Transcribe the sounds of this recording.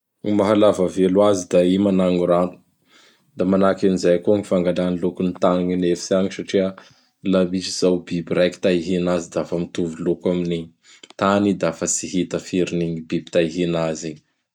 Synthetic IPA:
maɦalavəvelwazid̪aimanaŋuɾanu̥ | d̪amanakinizajkuŋifaŋɡananilukunit̪aniɲinefi̥siaɲisaʈ͡ʂiə | labit͡ʃiz̥awbibiɾaki̥t̪aiɦinazid̪afəmit̪uvulukaminiɲi | t̪anid̪afəsiɦit̪əfiɾiniɲibibi̥t̪aiɦinazi

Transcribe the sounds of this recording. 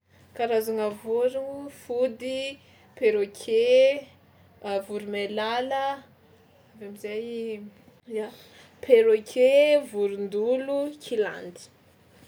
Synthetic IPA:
kaɾazaŋavuɾuŋufud̪i | peɾokʰe | vuɾumelalə | avamizaj | ja | pʰeɾokʰevuɾund̪ulukʰila̰nd̪i̥

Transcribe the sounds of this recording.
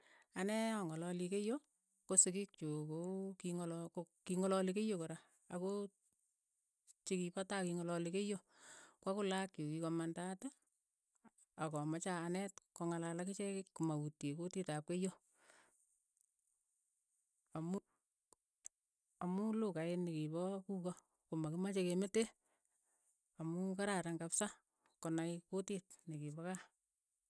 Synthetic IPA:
anɛɔŋɔlɔlikejo | kosɪkik̚t͡ʃukokiŋlkokiŋɔlɔlikejokoɾa | a̰ko | t͡ʃikipatakiŋɔlɔlikejo | kwakʊlakokikomandata | akɔmat͡ʃaːnɛtkɔŋalalakɪt͡ʃɛkɪkkumautekotitap̚kejo | amu | amulukaenikibɔkukɔ | komakimat͡ʃekemete | amukaɾaɾaŋkapsa | kɔnaɪkotit̚nikibɔka

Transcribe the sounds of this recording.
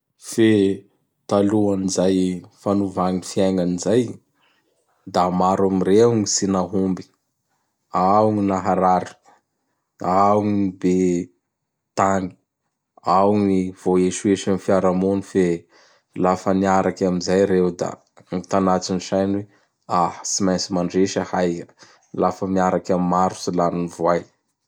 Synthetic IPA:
fe | t̪aluanizajfanuvaŋinfiajŋanizaj | d̪amaɾamiɾeŋisinaɦumbi̥ | awŋinaɦaɾaɾi̥ | awŋiibe | t̪aŋi̥ | awŋiv̥oeʃueʃanifiaɾamonife | lafəniaɾakamizajɾewd̪a̰ | ŋit̪anat͡siniʃajnwe | ahsimajnt͡simaɳɖ͡ʐeʃəhaj | lafəmiaɾakʲamimaɾu̥silaninivwaj

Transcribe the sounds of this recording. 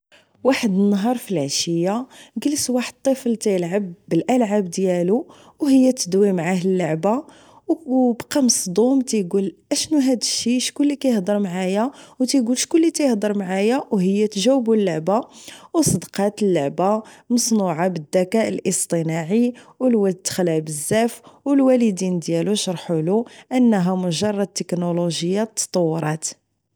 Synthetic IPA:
waħəd̪nːɑɦɑɾˤfilʕaʃəjːaɡəlswaħəd̪̚t̪ˤːiflt̪æjəlʕabːəlʔælʕabd̪jælu | whəjːæt̪əd̪wimʕahəlːoʕba | wbqɑməsd̪ˤumt̪æjɡulʔæʃnuɦæd̪əʃːiʃkʊlːikæjəhd̪ˤəɾˤmʕajæwt̪æjɡulʃkʊlːit̪æjəhd̪ˤəɾˤmʕajawhəjːæt̪ʒæwːəbulːoʕbawsˤəd̪qɑt̪əlːoʕbamɑsˤnuʕabəd̪ːækæʔəlʔəst̪ˤənɑʕiwəlwæd̪t̪ːə̥xlæbəzːæfwəlwæləd̪ind̪jæluʃɑɾˤħuluʔənːɦæmʊʒɑrˤːɑd̪̚t̪ːəknoloʒəjːat̪ːɑ̥t̪ˤɑwːɾˤɑt̪

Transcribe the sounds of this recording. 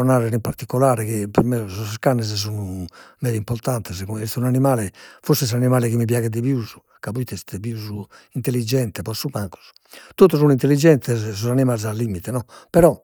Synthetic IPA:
ɔnaːɾɛɾimpaɾt̪ikːɔlaːɾɛkepɛɾmɛsɔsskanːɛz̬s̬unumɛːɾimpɔɾt̪ant̪ɛzkuɛst̪unanimaːlɛfosɛs̬animaːlɛkimːipjaːɣɛd̪eβjuːzu | kapuit̪ɛst̪ɛpjuːzu | int̪elːid͡ʒɛnt̪ɛpɔsumaŋku̥z̥ | t̪ot̪ːɔs̬unuint̪elːid͡ʒɛnt̪ɛzsɔzanimaːlzalːimit̪ɛnɔpɛɾɔ

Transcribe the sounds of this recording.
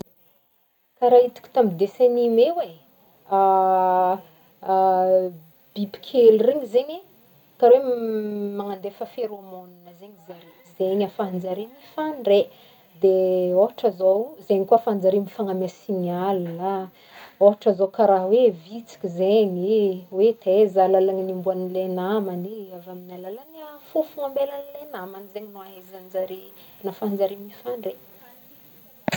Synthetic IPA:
kaɾait̪u̥kʲu̥t̪amid̪esenimewe | b̥ibi̥kʲʰelureɲizeɲe | kaɾwemaŋand̪efəfeɾomoninəzeɲize | zeɲafand͡zaɾimifanre | d̪eoɦaʈ͡ʂəzowzeɲikuafand͡zaɾimifaŋamasinalula | oɦaʈ͡ʂəzokaɾaɦwevit͡si̥kʲizeɲiwet̪ʰezalalaŋinimbuanilenamaniavaminalalanafufuŋambelanilenamanizeɲinuaɦezand͡zaɾinafand͡zaɾimifaɳɖ͡ʐe

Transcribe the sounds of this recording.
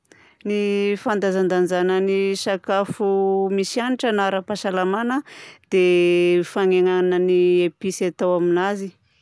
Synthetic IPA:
nifand̪azand̪and͡ʒanənisakafumisianiʈ͡ʂənaɾapasalamanəd̪̥efaŋeŋaanəniepisat̪awaminazi

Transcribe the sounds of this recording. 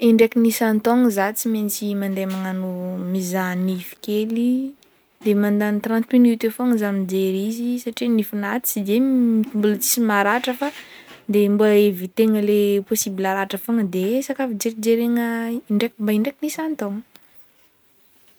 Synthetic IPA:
eɳɖ͡ʐekinisant̪ɔŋzat͡siment͡simand̪emaŋanumizanifi̥keli | d̪emand̪anit̪rãnt̪minit̪efoŋzamid͡ʒeɾizisaʈ͡ʂinifunat̪i̥t͡sid̪eimbulət͡si̥simaɾaʈ͡ʂəfad̪embuaevit̪eŋəleposibilaɾaʈ͡ʂafoŋəd̪esakafid͡ʒeɾid͡ʒeɾeŋəiɳɖ͡ʐekmbaiɳɖ͡ʐekinisant̪ɔŋə

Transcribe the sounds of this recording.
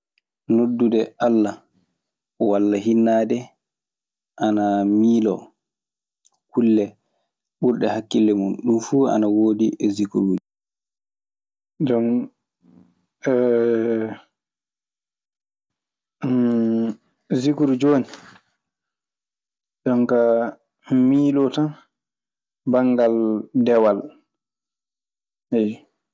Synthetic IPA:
nodːudɛʔalːa | walːaɦinːaːdɛ | ʔanamiːlɔ̰ | kʰulːɛ | ɓuɾɗɛhakːilːɛmunɗumfua̰nawoːdiʔɛzikuɾuːd͡ʒi | dɔm | ɛ | zikuɾud͡ʒoni | dɔmka | miːlɔtan | baŋɡaldɛwal | ɛ

